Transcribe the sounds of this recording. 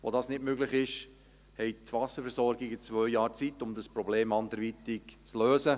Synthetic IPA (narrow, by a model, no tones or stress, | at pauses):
ʋo̰dɑːsnɪtmøɡlɪχɪʃ | hɛɪt̪ʋɑsəfɛɾsɔɾɡɪɡət͡svœʏjɑːɾt͡sitːʊmd̪əspɾɔbleːmɑnd̪əɾʋit̪ɪkt͡sløːsə